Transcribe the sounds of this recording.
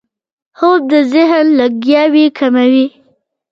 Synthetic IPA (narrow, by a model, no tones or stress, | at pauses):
hob̚d̪əzɪɦənləɡjɑwikʰamawi